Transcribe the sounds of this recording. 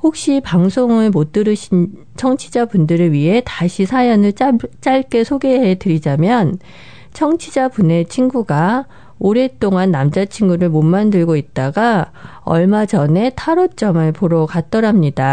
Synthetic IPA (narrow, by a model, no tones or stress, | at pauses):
hok̚ɕ͈ipaŋsʰoŋɯɭmot͈ɯɾɯɕ | t͡ɕʰʌŋt͡ɕʰid͡ʑapundɯɾɯɭɥiɦe̞taɕʰisʰajʌnɯɭt͡ɕ͈aɭk͈e̞sʰoɡe̞ɦe̞tɯɾid͡ʑamjʌn | t͡ɕʰʌŋt͡ɕʰid͡ʑabune̞t͡ɕʰinɡuɡa | oɾe̞t͈oŋanːamd͡ʑat͡ɕʰiŋɡuɾɯɭmonmandɯɭɡoit̚t͈aɡa | ʌ̰ɭmad͡ʑʌne̞tʰaɾot͡ɕ͈ʌmɯɭpoɾʌkat̚t͈ʌɾɦamɲida